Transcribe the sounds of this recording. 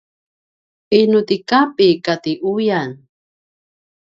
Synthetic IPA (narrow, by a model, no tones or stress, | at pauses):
inʊt̪ikapikat̪iʔujan